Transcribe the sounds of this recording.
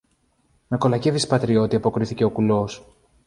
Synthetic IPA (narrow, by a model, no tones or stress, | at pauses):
me̞ko̞lɐce̞vispɐt̪ɾio̞t̪iɐpo̞kɾiθice̞o̞kulo̞s